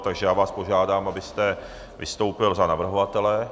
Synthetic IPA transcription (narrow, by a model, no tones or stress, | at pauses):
t̪aɡʒɛjaːvaːspoʒaːdaːmabɪst̪ɛ | vɪ̰st̪o̞wpɪlzanavr̩ɦovat̪ɛlɛ